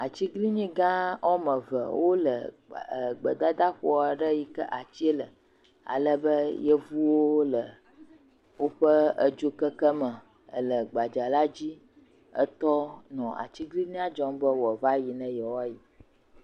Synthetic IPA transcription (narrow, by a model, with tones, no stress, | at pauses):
a˨t͡ɕi˦ɡli˦ɲĩ˦ɡã˦ɔ˦mə̃˨və̰˨wʔo˦lə˨ | ɡ͡bə˨d̪a˦d̪a˦ɸɔ˦˨a˨ɖə˦ji˨kə̰˦ʔa˨t͡ɕi˦e˦lə˨ | a̰˨lə˦bə˦jə˦vu˦wo˦lə˨ | wo˦ɸə˦ə˨d͡ʒo˦kə˦kə˦mə̃˨ | ə˨lə˨ɡ͡ba˨d͡ʒa˨la˦d͡ʑi˦ | ə̰˦t̪ɔ˦nɔ̃˨a̰˨t͡ɕi˦ɡli˦ɲĩ˦a˦d͡ʒɔ˦mbə˦wɔ˨va˦ji˨nɛ̃˦jɛ˨wa˦ji˨